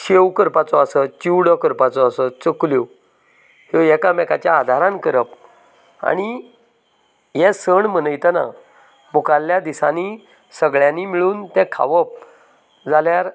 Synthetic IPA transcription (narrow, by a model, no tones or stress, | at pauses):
ɕewkəɾpat͡sɔəsət͡ɕiwɽəkəɾpat͡sɔəsət͡səkljo | hojɛkamɛka̰t͡ɕjaːd̪ʱaɾãnkəɾəp | a̰ɽ̃i | jɛsəɳm̤ənəjt̪əna̰ | mukalːjad̪isani | səɡɭjãnimiɭuːnt̪ɛ̃kʰa̰ʋəp̚ | d͡zaljaɾ